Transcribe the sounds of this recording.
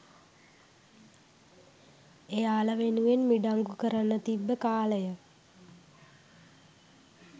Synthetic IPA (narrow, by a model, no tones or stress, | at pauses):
ejaːləʋenuenmiɖaŋɡukəɾanːət̪ibːəkaːləjə